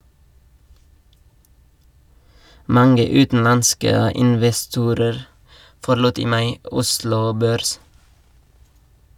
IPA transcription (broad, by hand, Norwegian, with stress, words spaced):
ˈmɑŋə ˈʉːtn̩ˌɑnskə ɪnʋɛˈstuːɾəɾ fɔɾˈluːt ˈiː ˈmɑɪ ˈʊslʊ ˈbøːɾs